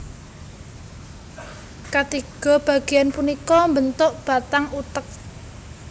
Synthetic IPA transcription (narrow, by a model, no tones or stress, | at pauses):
kat̪iɡ̥ɔ̤b̥a̤ɡ̥ejanpunikɔmbənt̪ʊʔb̥a̤t̪aŋut̪ək̚